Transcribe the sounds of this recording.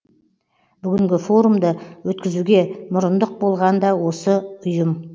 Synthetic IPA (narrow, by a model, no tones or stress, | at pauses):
b̥ʏɡʲɪŋɡʲɪfo̞ɾumd̪əwɵt̪̚kʲɪzuɡʲe̞mʊɾʊnd̪əq̚bo̞lˠʁɑnd̪ɑwo̞səʊjəm